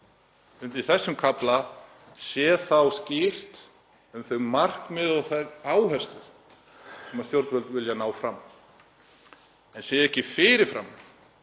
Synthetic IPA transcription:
nt̪iθɛsːʏmkʰapla | sjɛθawscɪr̥t̪ | ʏmθœɥɣmar̥kmɪðɔɣθajɾaːwɦɛst̪ʏ | sɛmːast̪jowɾt̪vœlt̪vɪljanaːwfɾamː | ɛnsjɛɛhcɪfɪɾɪɾ̥fɾa̰m

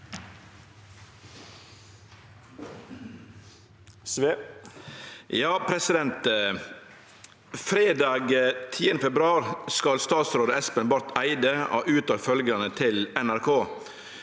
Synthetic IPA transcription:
jɑːpʰɾɛsɪd̪ɛnt̪ | fɾeːd̪ɑːɡt̪ʰiːənəfɛbɾʉɑːɾskɑlst̪ɑːt̪sɾoːd̪əɛspənbɑɾt̪æɪd̪əo̰ːʔʉːt̪ɑːɾfœlɡɑnət̪ʰɪlɛnæɾkʰoː

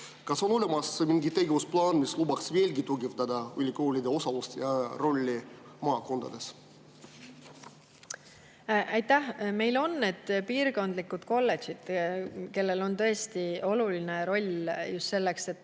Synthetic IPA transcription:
kɑso̞no̞lemɑsmiŋɡit̪ːe̞ɡevusplɑːnmislubɑksve̞ːlɡit̪uɡevd̪ɑd̪ɑylʲiko̞ːlʲid̪e̞o̞sɑlust̪jɑro̞lʲːimɑːko̞nd̪ɑd̪̥e̞s | ɑjt̪æhme̞jlo̞nːeːd̪̥piːrko̞nd̪likːˑud̪̥ko̞lːesid̪̥ke̞lːe̞lo̞nt̪ɤ̞est̪io̞luline̞ɾo̞lʲjust̪se̞lːe̞kse̞t̪ːˑ

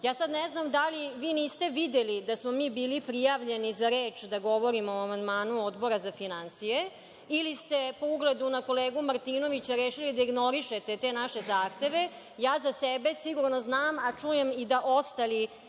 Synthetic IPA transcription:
jaːsad̪neznamd̪aliʋiːniːst̪e̞ʋid̪elid̪asmomiːbiːlipɾijaʋʎe̞nizaɾeːt͡ʃd̪aɡoʋoɾimoamand̪maːnuod̪bo̞ɾazafinansije | ilist̪e̞po̞uɡled̪unako̞leːɡumaɾt̪iːnoʋit͡ɕaɾeːʃilid̪aiɡno̞ɾiʃet̪et̪e̞ːnaʃe̞zaːxt̪e̞ʋe̞ | jaːzasɛbe̞siɡuɾnoznaːmat͡ʂuje̞mid̪aʔost̪ali

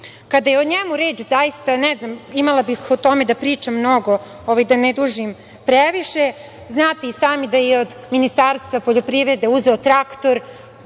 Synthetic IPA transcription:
kad̪ajeoɲemuɾeːt͡ʃzajist̪anɛznamimalˠabixot̪o̞me̞d̪apɾiːt͡ʃamːno̞ɡo̞ | oʋajd̪aned̪uʒim | pɾeʋiʃe | znaːt̪eisaːmid̪ajeod̪minist̪aːɾst̪ʋapoʎopɾiʋɾed̪e̞uze̞ot̪ɾakt̪o̞ɾ

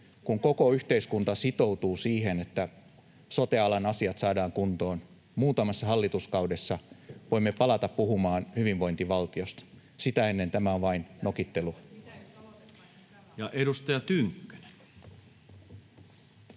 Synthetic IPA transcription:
kuŋko̞ko̞yçt̪e̞iskunt̪ɑsit̪o̞wt̪uːsiːɦe̞ne̞t̪ːæ | so̞t̪e̞ɑlɑnɑsiɑt̪sɑːdɑːŋkunt̪o̞ːn | muːt̪ɑmɑsːɑɦɑlːit̪uskɑwde̞sːɑʋo̞imːe̞pɑlɑt̪ɑpːuɦumɑːnhyʋiʋʋo̞int̪iʋɑlt̪io̞st̪ | sit̪æe̞nːe̞nt̪æmæoʋɑinno̞kit̪ːe̞lu | jɑʔedust̪ɑjɑt̪yŋkːø̥ne̥n

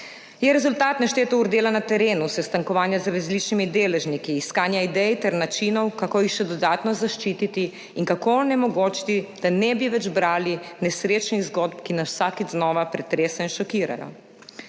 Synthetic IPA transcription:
jɛɾɛzult̪aːt̪naʃt̪eːt̪ɔuɾd̪eːlanat̪ɛɾeːnusɛst̪aŋkɔʋaːnjazɾazlit͡ʃnimid̪eːlɛʒnikiːskaːnjaid̪ɛjt̪ɛɾnat͡ʃinɔwkakoːjixʃɛd̪ɔd̪aːt̪nɔzaʃt͡ʃiːt̪it̪i | iŋkakonɛmɔɡoːt͡ʃi̥t̪id̪̥anɛbiʋɛd͡ʒbɾaːlinɛsɾeːt͡ʃniɣzɡod̪pkinaswsaːkiznɔːʋapɾɛt̪ɾeːsɛinʃɔkiːɾa̰jɔ̰

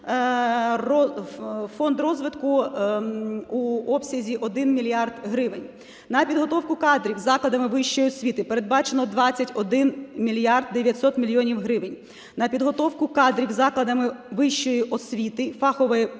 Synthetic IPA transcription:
rɔ | fɔnd̪rɔzʋɪt̪kʊ | uɔpsʲɐzʲiʔɔd̪ɪnmʲilʲijɑrd̪ɦɾɪʋɪnʲ | nɐpʲid̪ɦɔt̪ɔwkʊkɑd̪ɾʲiwzɑklˠɐd̪ɐmɪʋɪʃt͡ʃɔjiɔsʲʋʲit̪ɪpe̞ɾe̞d̪̚bɑt͡ʃenɔd̪ʋɑt͡sʲɐtʲɔd̪ɪnmʲilʲijɑrd̪̚d̪eʋʲjɐtʲsɔt̪mʲilʲijɔnʲiwɦɾɪʋɪnʲ | nɐpʲid̪ɦɔt̪ɔwkʊkɑd̪ɾʲiwzɑklˠɐd̪ɐmɪʋɪʃt͡ʃɔjiʔɔsʲʋʲit̪ɪfɑxɔʋɐjɛ

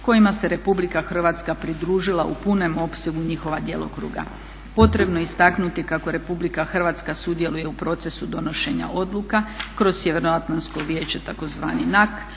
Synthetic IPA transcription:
ko̞jimase̞ɾe̞publikaxr̩ʋat̪skapɾid̪ɾuːʒilaupune̞mo̞pseɡuɲixo̞ʋad̪je̞̰lˠo̞̰kɾṵːɡa̰ | po̞t̪ɾe̞bnoist̪aknut̪ikako̞ɾe̞publikaxrʋat̪skasud̪je̞luje̞upɾo̞t̪se̞sud̪o̞no̞ʃe̞ɲa̰ʔo̞d̪lˠukakɾo̞ssjeʋe̞ɾnoat̪lanskoʋje̞ːt͡ɕet̪ako̞zʋa̰ːninak

